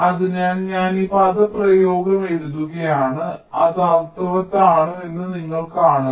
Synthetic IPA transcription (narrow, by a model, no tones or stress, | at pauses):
ɐðɨɲaːnɲaːniːpaːd̪ɐprɐjo̞ːɡɐmeɽuðːuɣɐjaːɳɨɐðɐwt̪ɐʋɐt̪ːaːɳue̞nːɨniŋːɐɭkaːɳu